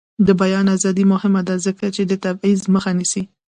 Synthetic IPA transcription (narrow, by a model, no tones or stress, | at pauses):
d̪əbajɑnazɑd̪imʊhɪmad̪azəkat͡ʃed̪ət̪abizməxanisi